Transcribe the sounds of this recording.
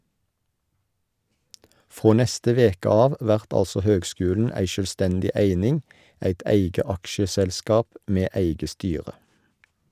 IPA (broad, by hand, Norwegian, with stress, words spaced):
ˈfʁoː ˈnɛstə ˈʋeːkə ˈɑːʋ ˈʋæʁt ˈɑlsɔ ˈhøːɡˌskʉːln̩ ˈæɪ ʃœlˈstɛndɪ ˈeɪnɪŋ ˈeɪt ˈeɪɡə ˈɑkʃəsɛlˌskɑːp ˈmeː ˈeɪɡə ˈstyːʁə